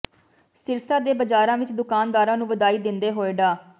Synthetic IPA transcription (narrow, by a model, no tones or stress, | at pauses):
sɪɾsaːd̪eːbəd͡ʒaːɾãːʋɪt͡ʃd̪ʊkaːnd̪aːɾãːnũːʋəd̪aːiːd̪ɪnd̪eːɦoːeɖaː